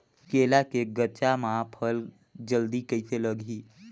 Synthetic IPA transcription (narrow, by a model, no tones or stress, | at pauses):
keːlakeɡət͡ʃamãpʰəl | d͡ʒəld̪ikəɪseləɡʱiː